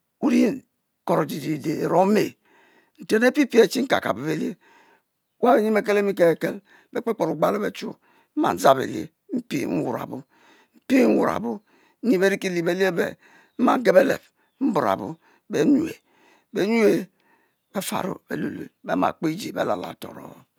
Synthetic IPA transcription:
u˦ɾi˦ | ko˨ɾo˨d͡ʒi˨d͡ʒi˨de˨e˨ɾo˦me˨ | n̩˨te˦ne˦pi˦pi˦e˨t͡ʃi˦ŋ̩˦ka̰˨ka̰˨bu˨be˨le˦ | wa˦be˨ɲi˦mbe˦k̬e˦le˦mi˦ke˨e˨ke˦l | be˦k͡pe˦k͡po˨ɾu˨ɡ͡ba˦le˦be˨t͡ʃu˦ | m̩˦ma̰˨n̩˦za˦bḛ˨lḛ˨˦ | m̩˦pḭ˦n̩˦wu˨ɾa̰˨bu˦ | m̩˦pi˦ŋ̩˦wṵ˨ɾa̰˨bu˦ | ɲi˦be˦ɾi˦ki˦li˨be˦li˦e˦bḛ˨ | m̩˦ma̰˨ŋ˦ɡe˦be˦lḛ˨p̚ | m̩˦bu˨ɾa̰˨bṵ˨ | be˨˦ɲu˨e˨ | be˨˦ɲu˦e˨ | be˦fa̰˨ɾo̰˦bḛ˨lu˨lṵ˨bḛ˦ma̰˨k͡pe˦d͡ʒi˨bḛ˦la˨la̰˨to̰˨ɾo̰˨˦˨

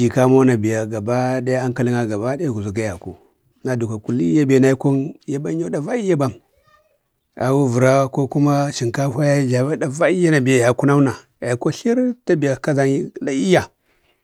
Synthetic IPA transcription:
i˨ka˦mo˦na˨bi˨ja˨ɡa˨ba˦da˦a˦ŋka˦li˦ŋa˦ɡa˨ba˦da˦ja˦ɡu˨zu˨ɡa˦ja˨ku˨ | na˨du˨ka˨ku˨li˦ja˦be˨na˦i˦ko˦nja˦ba˦o˦da˨va˦i˦ja˦ba˦m | a̰˨wu˦vu˨ɾa˦ko˦ku˦ma˦ʃi˨ŋka˦ha˦ja˦d͡ʒa˨ba˦da˨va˦i˦ja˦na˨bi˨ja˨ja˨ku˦na˦u˦na˨ | ja˨i˨ko˦ɬi˦ɾta˦bi˨ja˨ka˦za˦ŋi˦la˨i˦ja˨

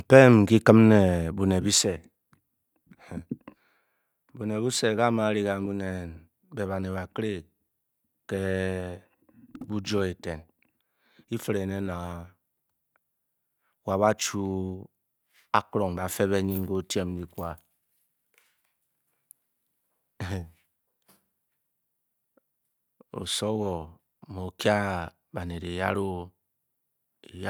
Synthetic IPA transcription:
m̩˨pe˦m̩˨ki˦kɨ˦mne˨bu˨ne˨bi˦se˨ | bu˨ne˨bu˦se˨ka˦˨ma˨˦ɾi˦ka˨m˦bu˦ne˨n | be˨ba˨ne˨βa˨kɾe˦˨ | ke˦ | bu˦d͡ʒɔ˦e˨te˨n | i˦fe˨ɾe˨ne˦na˨ | wa˨ba˦t͡ʃu˦ | a˦kɾo˨ŋ˨ba˨fe˦βe˦ɲi˦ŋ˦ɡo˦te˦m˦di˦kʷa˦˨ | o̰˨so˦wɔ˨ | mo˨kja˦ | ba˨ne˨de˨ja˦ɾo˦ | e˨j

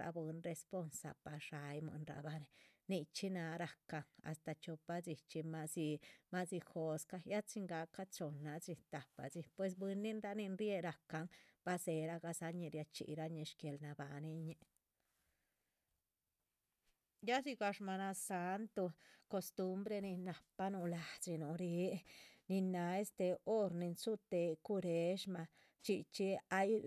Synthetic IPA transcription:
ɾa̰˧bɨ˧nɾe˧spo˧nsa̰˨pa˨ʂa˨˧jmɨ̰˧nɾa̰˧ba˧ni˧ni˧t͡ʃi˦na˧ɾa˨ka˧ŋa̰˨st̪a˧t͡ʃo˧pa˧t͡si˧t͡ʃi˧ma˧si˧ma˦si˧xo˧ska˧ja˦t͡ʃi˧ŋɡa˧˦ka˦t͡so˨nːa˧t͡si˧t̪a˨pa̰˨t͡si˧pwe˧s̬bwɨ˧nːi˦nɾa˧ni˧nɾje˧ɾa˨ka˧ŋb̥a˧se˧ɾa˦ɡa˧sa˧ɲi˧ɾja˧t͡ʃḭ˧˨ɾa˦ɲi˧ʃke˧lna˧ba˨ni˧ɲe˧ | ja˦si˧ɡa˧ʂma˧na˧sa˧nt̪u˧ko˧st̪u˦mbɾe˧ni˧na˨pa˦nu˧la˧t͡si˧nu˨ɾe˨˦ni˧na˧e˦st̪e˧o˦ɾni˧nsu˦t̪e˧ku˧ɾe˨˧ʃma˧ | t͡ʃi˧t͡ʃi˧a˦j

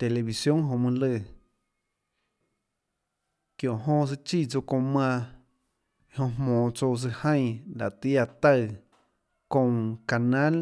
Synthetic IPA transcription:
t̪e˨le˨βi˨sjõ˦ŋɦõ˧˨mɨ̃˧lɨ˧˨ | kjõ˧˨ʔɦõ˧s̬ɨ˧t͡ʃi˦˨t͡so˧kõ˧mã˧ | hõ˧mmõː˨t͡so˧t͡s̬ɨ˧hã˦j̃la˨t̪i˦ja˧t̪a˦˧˨ | kõ˧ŋka˨nã˦l

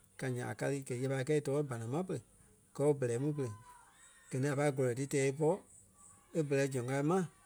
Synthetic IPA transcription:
ka˨ɲã̰˨a̰˨ka˧lɨ˧ɡɛ˨˦ɛ˧pa˧i˧kɛː˦i˧tɔː˨˦e˦ba˨nã˨mã˦p̬ə˧lə˨ | ɡ̥ɜ˧˦e˦bə˨lɛː˨˦mũ˦p̬ə˧ə˨ | ɡ̥ɜ˨nĩ˧˦a˨pa˧i˦ɡɔ˨ɔ˨tɨ˧tɛː˨˦i˧p̬ɔ˦ | e˦bə˨lɛ˨˦d͡ʒɔ̃˨ŋka˧i˧˦mã˦˨

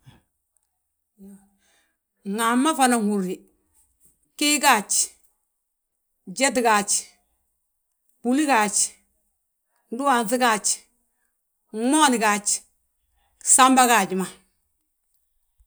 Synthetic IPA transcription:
ŋa˨mːa˦fa˨na˨ŋu˨ɾi˨ | ki˦ka˦˨t͡ʃ | d͡ʒɛ˦t̬ɡa˨t͡ʃ | b̥u˨li˦ka˨t͡ʃ | n˦du˦a˨nθi˦ka˦˨t͡ʃ | mɔ˦ni˨ka˨t͡ʃ | sa˦mba˦ka˨d͡ʒi˨ma˨

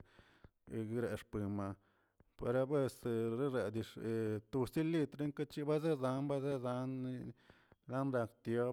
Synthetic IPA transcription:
ɡi˧˦ɾe˨˧ʂpi˨ma˨ | pḛ˨ɾa˧be˦sɾe˦ɾe˨d̪i˧ʂe˨t̪u˧si˦li˧t̪ɾe˦ŋka˦t͡ʃi˦ba˦ze˦za˧nba˦ze˦za˧˦n˦ | la˦nɾa˧kt̪jo˧˦

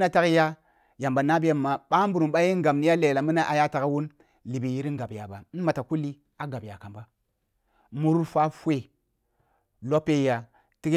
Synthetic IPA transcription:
na˦ta˦kja˦ | ja˨mba˨na˦bi˦ja˦˨mːa˨ɓa˦mbu˨ɾu˨ɓa˦ji˦ŋɡa˨m˨ni˦ja˦le˨la˨mi˦na˦ʔa˨ja˦ta˨ka˦wu˦n | li˨bi˨ji˦ɾi˦ŋ˦ɡa˨bja˨ba˨˦ma˨ta˨ku˦lːi˦ | a˦ɡa˨bja̰˨ka˨mba˦ | mu˨ɾu˦ɾfa˦fwe˦˨ | lo˦pe˦ja˨ | ti˦k

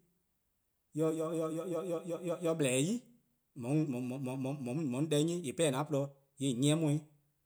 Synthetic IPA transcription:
jɔ˧jɔ˧jɔ˧jɔ˧jɔ˧jɔ˧jɔ˧jɔ˧jɔ˧blɛ˨˦ji˦ | mɔ̃˨nũ˧mɔ̃˨mɔ̃˨m̃˨m̃˨mɔ̃˨ũ˦mɔ̃˨nĩ˦dɛ˧˦ɲĩ˦e˨pɛ˦˨nã˨˦plɔ˧ | je˨ɲĩ˦˧ɛ̃˦mɔ̃˧ĩ˦

